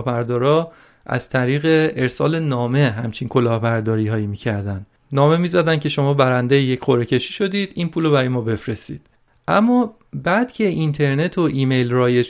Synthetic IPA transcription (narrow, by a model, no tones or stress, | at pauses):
hbæɾd̪ɒːɾɒː | ʔæ̰z̥t̪ʰæɾiːɣe̞eɾsɒ̰ːle̞nɒːme̞ɦæmt͡ʃʰinkʰo̞lɒːhbæɾd̪ɒːɾiːhɒːjimiːcʰæɾd̪æn | nɒːme̞miːzæd̪æn̚cʰe̞ʃo̞mɒːbæɾænd̪ejejecχoɾe̞cʰe̞ʃiːʃo̞d̪iːd̪̥iːnpʰuːlobæɾɒːjemɒːbe̞fɾe̞st̪ḭːd̪̥ | ʔæmːɒː | bæd̪̥cʰe̞ʔint̪ʰe̞ɾne̞t̪ʰoʔiːme̞jlrɒːje